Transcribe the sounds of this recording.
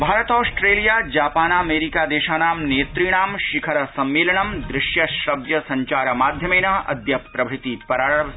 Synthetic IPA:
bʱaːɾɐt̪ɔːsʈɾeːlijaːd͡ʒaːpaːnaːmeːɾikaːd̪eːʃaːnaːmneːt̪ɾiːɳ̃aːmʃɪkʰɐɾɐsɐmːeːlɐɳɐmd̪ɾɪʃjɐʃɾɐʋjɐsɐ̃ɲt͡ʃaːɾɐmaːd̪ʱjɐmeːnɐɐ̰d̪ʱjɐppɾɐbʱɽɪt̪ipɐɾaːəʋ

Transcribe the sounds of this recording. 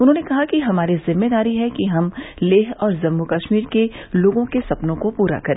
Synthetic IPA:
ʊnɦõːnekɐɦakiɦɐmaːɾizɪmːed̪aːɾiɦɛkiɦɐmleːɦɔːɾzɐmːukɐʃmiːɾke | loːɡõkesɐpnõkopuːɾa̰kɐɾẽː

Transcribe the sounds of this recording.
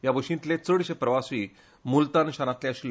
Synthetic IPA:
jabʱəʂĩnt̪let͡səɽɕepɾəʋasiː | mult̪anɕanat̪leaɕil

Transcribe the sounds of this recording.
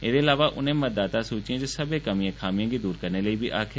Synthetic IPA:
eːd̪eːɪlaːʋaːʔʊ̰nẽːməd̪aːt̪aːsuːt͡ʃijãd͡ʒesəbeːkəmiãːkʰaːmɪjãːɡiːd̪uːɾkəɾneːləiːbiːʔaːkʰ

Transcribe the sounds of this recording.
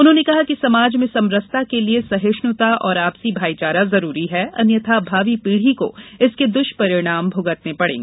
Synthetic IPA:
ʊnɦõːnekɐɦakisɐmaːd͡ʒmẽsɐ̃mɾəst̪akeliesɐɦeʃnʊt̪aʔɔːɾaːpsibʱaːit͡ʃaːɾazɐɾuːɾiɦɛɐnjət̪ʰabʱaːʋipiːɽ̤iko̰ɪsked̪ʊʃpɐɾɪɽ̃aːmbʱʊɡət̪nepɐɽḛ̃ːŋɡː

